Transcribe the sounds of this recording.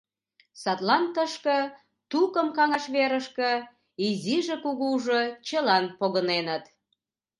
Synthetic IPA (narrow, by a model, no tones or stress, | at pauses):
sɑt̪lɑnt̪əʃkə̆ | t̪ukəmkɑŋɑʃβeɾəʃkə̆ | iziʒekuɣuʒot͡ɕəlɑnpoɣənenət̪